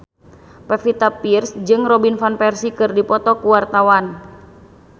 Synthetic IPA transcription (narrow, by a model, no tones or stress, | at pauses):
pɛfit̪apirsd͡ʒɨŋrɔbinfanpɛrsikɨrdipɔt̪ɔkuwart̪awan